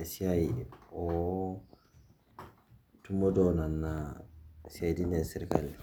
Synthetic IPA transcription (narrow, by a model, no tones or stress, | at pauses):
siaiɔ | tumɔdɔnanːa | siajdinɛsiɾka̰l